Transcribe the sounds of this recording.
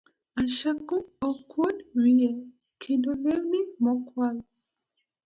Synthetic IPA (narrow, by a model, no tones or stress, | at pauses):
aʃakoɔkwɔdwiɲɛ | kʰedolɛɾnimɔkwal